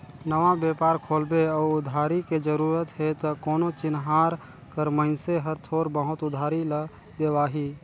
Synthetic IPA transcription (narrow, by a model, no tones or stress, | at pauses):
nəʋabeːpaːɾkʰoːlbeɔːʊd̪ʱaːɾiked͡ʒəɾuːɾət̪ɦet̪ɔkoːnot͡ʃɪnɦaːɾ | kəɾməɪnseɦəɾt̪ʰoːɾbəɦʊt̪ʊd̪ʱaːɾilə | d̪eːbaːɦi